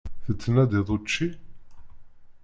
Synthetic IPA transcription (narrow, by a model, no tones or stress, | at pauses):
θət͡sːənæd̪iðˤot͡ʃːi